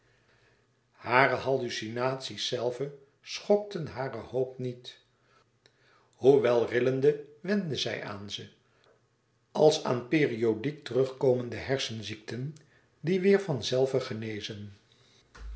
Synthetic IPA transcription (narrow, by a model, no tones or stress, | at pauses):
haːɾəhɑlysinaːtsisːɛlˠvə | sχɔk̚tənɦaːrəhowpnit | huʋɛlˠrɪləndəʋɛndəzɛ̰jʔa̰ːnzə | ɑlˠsa̰ːnpeːriodik̚tərɵχkowməndəɦɛɹsənziktən | diʋɪːɹvɑnzɛlˠvəχənejzən